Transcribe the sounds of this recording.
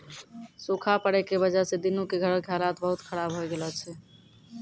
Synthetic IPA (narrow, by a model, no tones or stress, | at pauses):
sokʰapəɽɛkebəd͡ʒased̪inukeɡʱəɾəkʰjalat̪bəɦut̪kʰəɾabɦojɡelɔt͡ʃʰɛ